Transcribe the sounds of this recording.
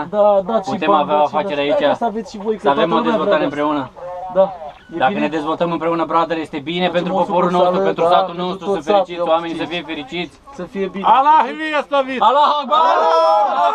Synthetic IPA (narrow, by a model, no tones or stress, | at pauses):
d̪ad̪apue̞maveaoafat͡ʃe̞ɾeait͡ʃaavet̪sʃivojkavemod̪ezvo̞lt̪aɾeɨmpɾe̞unəd̪a | d̪akkəned̪e̞zvo̞lt̪əmɨmpɾe̞unəbɾad̪əɾjest̪e̞bine̞pe̞nt̪ɾupo̞ppo̞ɾulnost̪uupent̪ɾust̪at̪ulno̞st̪ɾusəfeɾit͡ʃit̪ʲoame̞nʲisəfijefe̞ɾit͡ʃit̪sʲsəfijebialaɦiviast̪avialaɦoba